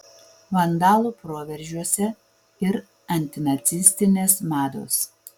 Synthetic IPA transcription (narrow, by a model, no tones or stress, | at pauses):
ʋɐnd̪ɑːlˠuːpɾoːʋʲɛɾʲˑʒʲuɔsʲɛ | ɪɾ | ɐnʲt̪ʲɪnɐt̪sʲɪsʲt̪ʲɪnʲeːsmɑːd̪o̰ːs